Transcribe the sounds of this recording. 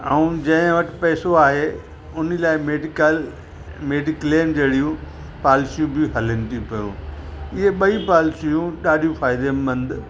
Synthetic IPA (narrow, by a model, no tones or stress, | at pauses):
ɐũd͡ʑɐ̃ɪ̃ʋɐʈʰɪpɛːsoaːɦe | ʊnɪlaːɪmeɖɪkl | meːɖɪkleːmd͡ʑeːɽijũ | paːlɪsijũbɪɦɐlənɪ̆t̪ʰĩpɐjṵ̃ːɪɦeɓɐipaːlsijũɗaːɗijũfaːɪd̪embɐ̃nd̪